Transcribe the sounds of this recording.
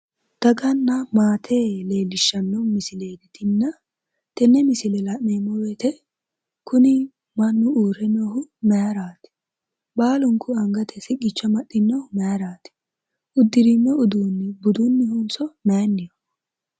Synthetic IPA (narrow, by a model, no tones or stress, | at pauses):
t̪ɐɡɐnːɐmaːt̪ʰeːle̞ːlɪʃːɐnːɔwmɪsɪleːd̪ɪt̪ɪnːɐ | t̪ɛnːɛmɪsɪlɛlɐneːmɔwet̪ɛ | kʊnɪ | mɐnːʊuːɾɛnːɔhʊmɛjaɾaːt̪ɪ̥ | baːlʊŋkʰʊɐŋɡɐt̪ʰɛsɪɡɪt͡ʃːɐmɐɗːɪnːɔhʊmɛjaɾaːt̪ɪ̥ | ʔʊd̪ːɪɾinːɔʊd̪uːnːɪbʊd̪unːɪhʊnsɔmɛjɐnːɪjɔ